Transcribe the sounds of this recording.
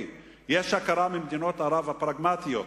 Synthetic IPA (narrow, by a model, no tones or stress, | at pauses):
jɛʃakaɾamimd̪inot̪aɾavapɾaɡmat̪ijo